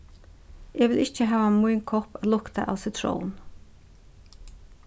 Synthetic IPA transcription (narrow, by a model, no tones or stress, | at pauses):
ɛʋɪlʔɪht͡ʃəɦaːvamujnkʰɔpalʊkt̪aʔa̰ːwsɪt̪ʰɾɔ̰wn